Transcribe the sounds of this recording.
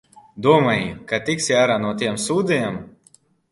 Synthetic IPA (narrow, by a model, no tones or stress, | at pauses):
d̪uɔmajkat̪iksjaːɾaːnuɔt̪iɛmsuːd̪ijam